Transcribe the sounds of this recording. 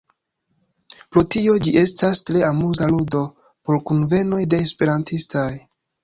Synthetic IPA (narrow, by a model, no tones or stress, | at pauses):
pɾotio̞d͡ʒiʔe̞stastɾe̞amuzaludo̞ | poɾkunve̞no̞jde̞ːspe̞ɾantistaj